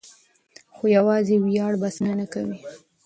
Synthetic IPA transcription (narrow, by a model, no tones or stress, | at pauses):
xojawɑzewjɑɽbasnanakawi